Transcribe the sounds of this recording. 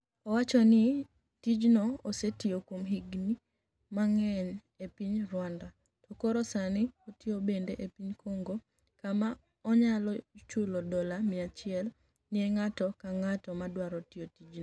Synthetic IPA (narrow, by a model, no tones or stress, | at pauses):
ɔwat͡ʃɔnɪ | tid͡ʒnoːsetiokwomɦiɡni | maŋɛɲ | epiɲrwanda | tɔkoɾɔsanɪotiobendeʔepiɲkʰoŋɡo | kama | ɔɲalɔt͡ʃulodɔlamɪat͡ʃɪɛl | nɪeŋatɔkaŋatɔmadwaɾɔtiotid͡ʒno